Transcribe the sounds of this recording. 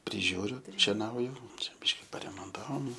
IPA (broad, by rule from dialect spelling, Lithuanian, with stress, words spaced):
pʲrʲɪˈʒʲuːrʲʊ ʃʲɛˈnɐʊjʊ ˈt͡ʃʲɛ ˈbʲɪʃʲkʲɪ pɐrʲɛmoːnˈtɑːʋoːm